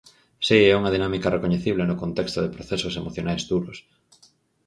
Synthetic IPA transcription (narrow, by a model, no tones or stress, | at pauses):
siɛuŋɐð̞inamikɐrekoɲeθiβlenʊkont̪ɛkst̪ʊðepɾoθɛsosemoθjonajzd̪uɾos